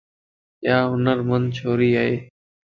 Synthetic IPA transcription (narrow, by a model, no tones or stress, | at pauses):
ʔjaːɦʊnəɾmənd̪̚t͡ʃʰoːɾiːaːɦeː